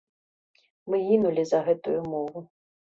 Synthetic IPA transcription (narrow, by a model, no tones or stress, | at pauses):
mɨinulʲizɐɣɛt̪ujumɔvu